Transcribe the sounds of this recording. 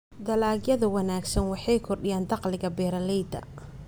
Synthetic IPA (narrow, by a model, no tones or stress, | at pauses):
d̪ɐlaːɡjɐðɐwɐnaːɡsɐnwɑħɑjkʰɔrɗɪjaːnd̪ɑqlɪɣɐbɛːɾɐlɛjd̪ɐ̰